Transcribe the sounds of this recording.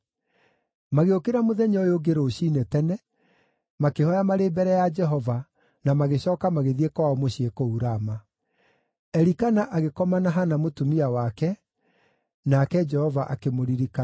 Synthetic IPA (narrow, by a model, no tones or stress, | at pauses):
maɣeokeɾamoðɛɲɔjoɡeɾoːɕiːnetɛnɛ | makehɔjamaɾeːbɛɾɛjad͡ʒɛɦɔva | namaɣeɕɔːkamaɣeðiekwaɔmoɕiekouɾama | ɛɾikanaʔaɣekɔmanaɦanamotumiawakɛ | nakɛd͡ʒɛhɔvaʔa̰kemoɾiɾika